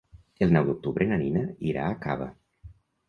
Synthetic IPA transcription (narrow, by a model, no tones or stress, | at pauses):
elˠnɔwd̪uk̚t̪uβɾenaninəiɾa̰ːka̰βə̰